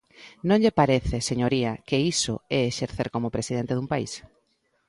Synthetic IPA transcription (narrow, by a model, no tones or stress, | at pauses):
nõŋʎepaɾeθeseɲoɾiɐkeiso̰ɛeʃeɾθeɾkomopɾesið̞ent̪eðumpaḭs